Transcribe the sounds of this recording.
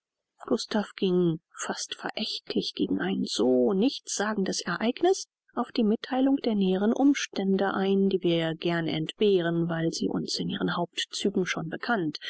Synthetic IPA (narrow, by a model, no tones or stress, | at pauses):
ɡ̥ʊstafɡ̥ɪŋfastfɛɐʔɛçtʰlɪçɡ̥eːɡŋ̩aɪnz̥oːnɪçtz̥aːɡŋ̩dəsɛɐʔaɪknɪs | ʔaʊfd̥iːmɪtʰːaɪlʊŋd̥eːɐnɛːəʁənʔʊmʃtɛndəʔaɪndiːviːɐɡɛɐnəɛ̰ntb̥eːʁənvaɪlz̥ḭːʔʊ̰nsɪnʔiːʁənɦaʊp̚tt͡syːɡŋ̩ʃoːnbəkʰant